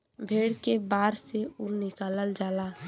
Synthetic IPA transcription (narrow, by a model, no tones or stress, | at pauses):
bʱeːɽkebaːɾseunɪkaːləld͡ʒaːla